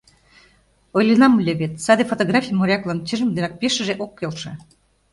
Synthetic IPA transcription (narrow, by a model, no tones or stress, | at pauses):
ojlʲenɑmlʲeβʲet̪sɑd̪efot̪oɣrɑfʲijmoɾʲɑklˠɑnt͡ɕiʒə̆md̪enɑk̚peʃə̆ʒeʔokːelʃḛ̆